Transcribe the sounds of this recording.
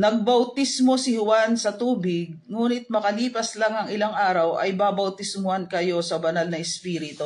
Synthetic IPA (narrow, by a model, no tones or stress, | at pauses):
nɐɡ̚bɐwt̪ismo̞sɪhʊwansɐt̪uːbɪɡ̚ŋuːnɪt̪̚mɐkɐliːpɐslaŋɐŋɪlaŋʔaːɾɐwʔɐ̰jbabɐwt̪ɪsmʊhankɐjo̞sɐbɐnalnɐɛspiːɾɪt̪o